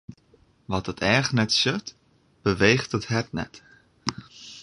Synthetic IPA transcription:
ʋɔtətʰɛːχnɛtsøt | b̥əʋejχtəthɛtnɛ̰t

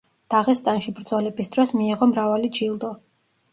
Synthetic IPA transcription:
d̪̥aʁɛst̪ʼanʃibɾd̪zɔlɛbisd̪ɾɔsmiːʁɔmɾavalid͡ʒilˠd̪ɔ

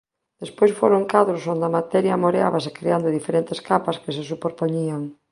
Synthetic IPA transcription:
d̪̥espojsfoɾoŋkaðɾosond̪ɐmat̪ɛɾjamoɾea̰βasekɾeand̪ʊðifeɾent̪eskapaskes̬esupoɾpoɲiaŋ

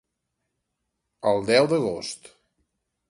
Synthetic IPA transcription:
əlˠd̪ɛwd̪əɣost̪

